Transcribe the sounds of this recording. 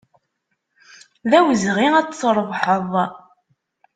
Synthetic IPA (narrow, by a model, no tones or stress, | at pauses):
ðæwəzʁiæt͡sːɾˤəvħəðˤ